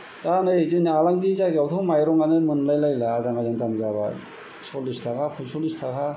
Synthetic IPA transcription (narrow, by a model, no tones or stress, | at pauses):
tanɯzinalaŋdizaɡawt̪ʰɔmajɾɔŋanɯmɯnlajlajlaːzaŋazantanzaβa̰ | sɔlistʰakʰapʰusolistʰakʰa